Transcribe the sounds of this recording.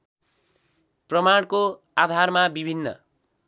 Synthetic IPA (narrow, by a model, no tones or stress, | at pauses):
prʌmaɽ̃ko | ad̪ʱarmabibʱinːʌ̰